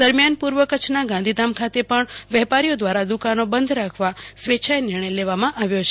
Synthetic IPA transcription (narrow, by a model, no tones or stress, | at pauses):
d̪əɾmjanpuɾʋəkət͡ʃʰnaɡãnd̪ʱid̪amkʰat̪epəɳʋɛpaɾijod̪ʋaɾad̪ukanobənd̪ʱɾakʰʋasʋet͡ʃʰajenɪɾɳ̃əjleʋamãʔaʋjot͡ʃʰ